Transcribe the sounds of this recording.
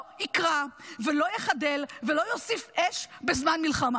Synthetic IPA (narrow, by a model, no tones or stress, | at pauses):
ikʁavelo̞jeχade̞lve̞lo̞jo̞sifʔeʃbe̞zmanmilχama